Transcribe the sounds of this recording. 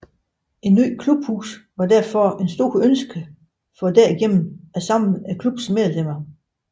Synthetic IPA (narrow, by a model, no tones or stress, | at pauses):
e̝nːy̰ːkʰlub̥hṵːsʋɑ̈d̥æɐ̰fɒe̝nsd̥o̝ːɐ̰ønsɡ̥ə | fɒ̽d̥æɐiɡ̥en̰n̩æsɑ̈m̰n̩ækʰlub̥smeɐlem̰ɐ